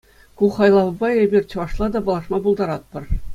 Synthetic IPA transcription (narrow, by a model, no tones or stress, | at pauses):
kuχɑjlˠɑʋɤ̆bɑebʲirʲt͡ɕɤ̆ʋɑʂlˠɑd̪ɑbɤ̆lˠɑʂmɑbulˠd̪ɑɾɑt̪̚pɤ̆r